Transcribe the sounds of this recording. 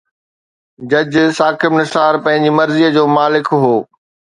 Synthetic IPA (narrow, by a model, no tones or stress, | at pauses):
d͡ʑɐd͡ʑsaːkɪbnɪsaːɾpɐ̃ɦɪ̃ɲd͡ʑimɐɾziəd͡ʑoːmaːlɪkɦoː